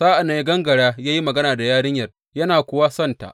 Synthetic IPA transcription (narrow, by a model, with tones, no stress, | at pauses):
zaː˦ʔa˨na˨˦ɡɐ˦ŋɡɐ˨ɽaː˦jaː˦ji˦mɐ˨ɡɐ˦naː˨da˨jaː˦ɽɪ˦ɲjɐ˨r | jɐ˦naː˨kʷʊ˦˨waː˦sɐ˦nta̰˨ʔ